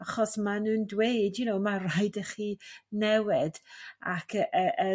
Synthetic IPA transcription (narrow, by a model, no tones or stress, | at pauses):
aχɔsmanuːndwejdjʊnowmarajdəχiːnɛwɪda̰kʰəʔəʔə